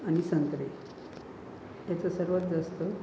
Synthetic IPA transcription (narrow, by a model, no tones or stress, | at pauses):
aɽ̃isənt̪ɾe | t̪jat͡səsəɾʋət̪̚d͡zast̪ə